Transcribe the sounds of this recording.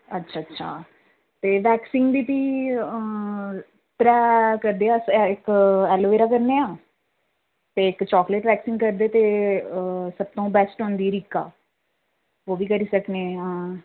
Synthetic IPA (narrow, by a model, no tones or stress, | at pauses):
ətːʃʰaːətːʃʰa̰ː | t̪eːʋɛːksɪŋɡbiːt̪iː | t̪ɾɛːkəɾd̪eːasɪkɛːloːʋeːɾaːkəɾneːãː | t̪eːɪkt͡ʃɔːkləʈʋɛːksɪ̃ŋkəɾd̪eːt̪eː | səb̚t̪õːbɛːsʈɦõːnd̪iːɾikːa̰ː | oːʋiːkəɾiːsəkneə̃ː